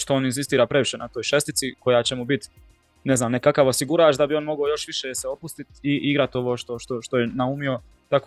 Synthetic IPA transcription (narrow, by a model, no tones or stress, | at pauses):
ʃt̪o̞oninzist̪iːɾaːpɾe̞ʋiʃenat̪o̞ːjʃe̞st̪it̪siko̞jaːt͡ɕemubit̪ | neznaːmnekakaʋosiɡuɾaːt͡ʃd̪abio̞nmo̞ɡojo̞ʃʋiʃeseo̞pust̪it̪iʔiɡɾat̪o̞ʋo̞ːʃt̪o̞ʃt̪oʃt̪o̞jenaumio̞ | t̪ak